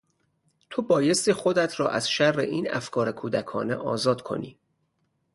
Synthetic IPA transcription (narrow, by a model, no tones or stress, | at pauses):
t̪ʰobɒːje̞st̪iːxo̞d̪æt̪ʰɾɒ̰ːʔæz̥ʃærːḛʔiːnæ̰fkʰɒːɾekʰuːd̪ækʰɒ̰ːnḛʔɒ̰ːzɒːd̪kʰo̞̰niː